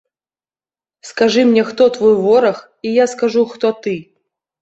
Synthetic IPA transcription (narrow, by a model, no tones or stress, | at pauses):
skaʐɨmnʲɛxt̪ɔt̪vɔjvɔɾɐx | ijaskaʐuxt̪ɔt̪ɨ